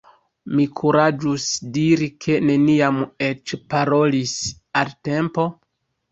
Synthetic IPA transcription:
mikʰuɾad͡ʒusdiɾikʰe̞ne̞niame̞t͡ʃpaɾo̞lis | alte̞mpo̞

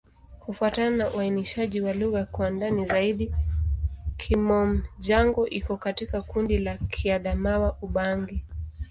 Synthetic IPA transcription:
kufuatananauainiʃaʄiwaluɣakwandanizaiɗi | kʰimɔm̩ʄaŋɡɔʔikɔkatikakundilakʰiaɗamawaʔuɓaŋɡi

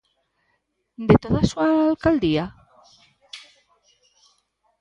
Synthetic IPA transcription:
d̪et̪oð̞asualkald̪ia

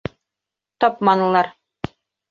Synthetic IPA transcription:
t̪ɒpmɑnɤ̆lˠɑɾ

